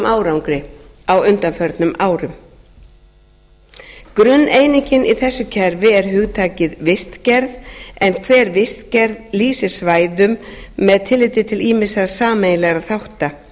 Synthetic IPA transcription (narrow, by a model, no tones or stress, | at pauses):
mʔaːwɾawŋkɾɪ | awʏnt̪anfœɾt̪nʏmʔaːwɾʏm | kɾʏnːeːjniɲcɪnʔiθɛsːʏcʰɛɾvɪɛɾ̥ɦʏɣt̪ʰaːcɪðvɪst̪cɛɾðɛnkʰvɛːɾvɪst̪cɛɾðliːsɪsvaːjðʏmːɛðt̪ʰɪlːɪjt̪ɪt̪ʰɪliːmɪsasaːmejlɛɣɾaθawht̪a